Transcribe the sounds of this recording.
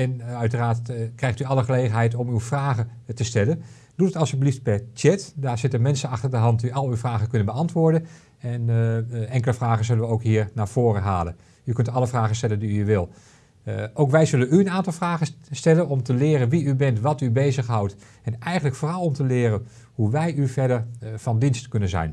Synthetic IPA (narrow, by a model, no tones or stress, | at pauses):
ɛnœɥtəraːɹtkrɛjxtyɑlˠəχəlejχənɦɛjtɔmywfraːɣətəstɛlən | d̥utətɑlˠsyblift̚pɛɹtɛtdaːɹzɪtənmɛnsənɑχtəɹdəɦɑntdiʔɑlˠywfraːɣəkɵnənbəɑntʋʊːɹdən | ɛnɛŋkələfraːɣənzɵlənʋəowkɦiːɹnaːɹv̥oːrəɦa̰ːlə̰n | ykɵntɑləfraːɣəstɛləndiyʋɪlˠ | ʔowkʋɛjzɵlənyənaːntɑlˠfraːɣəstɛlənɔmtəlɪːɾənʋiybɛntʋɑtybejzəxɦawt | ɛnɛjxəntləkfoːrɑlˠɔmtəlɪːrən | huʋɛjʔyfɛɹdəɹfɑndinstkɵnənzɛ̰jn